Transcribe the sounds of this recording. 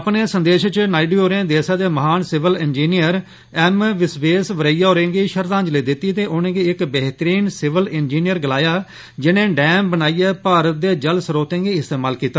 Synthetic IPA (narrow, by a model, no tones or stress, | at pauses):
əpneːsənd̪eːʃt͡ʃnaːiɖiːoːɾẽːd̪eːsãːd̪eːməɦaːnsɪʋəlɪnd͡ʒiːnijəɾ | ɛːmʋɪsʋeːsʋəɾəijaːoːɾẽːŋɡiːʃəɾd̪ãːɲd͡ʒleːd̪ɪt̪ːiːt̪eːʔʊnẽːɡiːɪkbɛːɦt̪əɾiːnsɪʋəlɪnd͡ʒiːnijəɾɡəlaːjaː | d͡ʒɪnẽːɖɛːmbənaːijɛːpaːɾət̪̚d̪eːd͡ʒəlsəɾoːt̪ẽːɡiːɪst̪eːmaːlkiːt̪ːaː